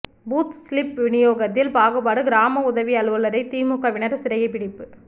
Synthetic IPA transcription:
buːt̪slɪpʋɪɳɪjoːɣɐt̪ːɪlpaːɣɯbaːɽɯɡɪɾaːmɐʊðɐʋiɐɭɯʋɐlɐɾɐɪt̪iːmʊkːɐʋɪnɐɾsɪɾɐjɐɪpɪɽɪpːɯ

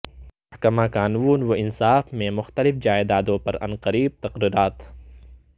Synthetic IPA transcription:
mɐhkɐmaːkaːnʋuːnwoʔɪnsaːfmẽmʊxt̪ɐlɪfd͡ʒaːed̪aːd̪õpɐɾɐ̰nqɐɾiːb̚t̪ɐqɾiːɾaːt̪

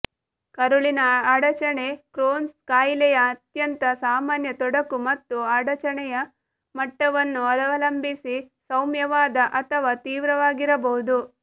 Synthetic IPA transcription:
kɐɾuɭinɐaːɽɐt͡ʃɐɳe̞kɾoːnskaːjlɛjɐːt̪jɐnt̪ɐsaːmaːnjɐt̪ɔɽɐkumɐt̪ːuaːɽɐt͡ʃɐɳɛjɐ | mɐʈːɐʋɐnːuɐlɐʋɐlɐmbisi | sɐwmjɐʋaːd̪ɐʔɐt̪ʰɐʋaːt̪iːʋɾɐʋaːɡiɾɐbɐɦud̪u

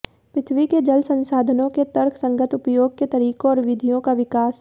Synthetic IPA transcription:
pɾɪt̪ʰwiked͡ʒɐlsə̃nsaːd̪ʱənõket̪ɐɾkʰsɐ̃ŋɡət̪ʊpjoːɡ̚ket̪ɐɾiːkõɔːɾʋɪd̪ʱijõkaʋɪkaːs

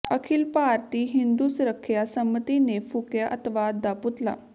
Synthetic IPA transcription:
əkʰɪlpaːɾt̪iːɦɪnd̪uːsɾəkʰːjaːsəmət̪iːneːpʰʊkjaːʔət̪ʋaːd̪̚ːaːpʊt̪la̰ː

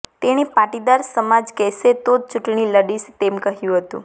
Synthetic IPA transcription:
t̪eñipaʈid̪aɾsəmad͡ʒkɛset̪od̪̚t͡ʃuʈɳiləɽist̪emkəɦjũɦət̪ṵ̃

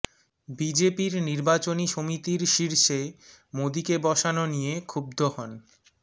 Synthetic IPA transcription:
bid͡ʑepiɾniɾbat͡ɕoniʃomit̪iɾʃiɾʃemod̪ikebɔʃanonijekʰub̚d̪ʱoɦɔn

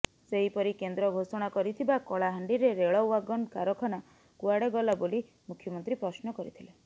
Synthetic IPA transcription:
seɦipɔɾikend̪ɾɔɡʱosɔɽ̃akɔɾit̪ʰibakɔɭaɦaɳɖiɾeɾeɭɔwaɡɔnkaɾɔkʰɔna | kuaɽeɡɔlaboli | mukʰjɔmɔnt̪ɾipɾɔsnɔkɔɾit̪ʰile

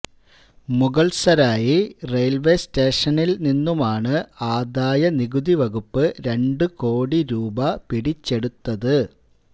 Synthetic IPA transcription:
muɣɐɭsɐɾaːjire̞jlʋe̞ːste̞ːʂɐnilninːumaːɳɨaːd̪aːjɐniɣud̪iʋɐɣupːɨɾe̞ɳɖɨko̞ːɽiɾuːbɐpiɽit͡ɕːe̞ɽut̪ːɐðɨ

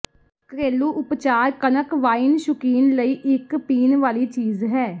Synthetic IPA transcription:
kɾeːluːʔʊpt͡ʃaːɾkənəkʋaːinʃʊkiːnləiːʔɪkpiːnʋaːliːt͡ʃiːzɦɛː

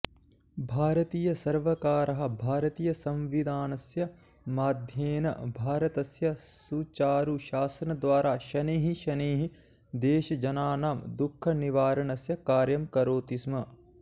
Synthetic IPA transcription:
bʱaːɾɐt̪iːjɐsɐɾʋɐkaːɾɐɦɐ̆bʱaːɾɐt̪iːjɐsɐ̃mʋid̪ʱaːnɐsjɐ | maːd̪ʱjeːnɐ̰bʱaːɾɐt̪ɐsjɐsut͡ʃaːɾuʃaːsɐnɐd̪ʋaːɾaːʃɐneːɦiʃɐneːɦi | d̪eːʃɐd͡ʒɐnaːnaːmd̪ukʰːɐniʋaːɾɐɳɐsjɐkaːɾjɐmkɐɾoːt̪ismɐ

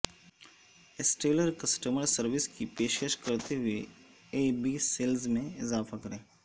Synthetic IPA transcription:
ɪsʈeːləɾkɐsʈəməɾsɐɾʋɪskipeːʃeːʃkɐɾt̪eɦʊe | eːbiseːlzmẽɪzaːfakɐɾẽː

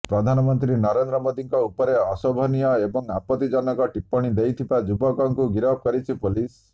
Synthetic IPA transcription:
pɾɔd̪ʱanɔmɔnt̪ɾinɔɾend̪ɾɔmod̪iŋkɔupɔɾeɔsɔbʱɔnijɔebɔŋapɔt̪id͡ʒɔnɔkɔʈipːɔɽ̃id̪ejt̪ʰibad͡ʒubɔkɔŋkuɡiɾɔb̚kɔɾit͡ʃʰipulis

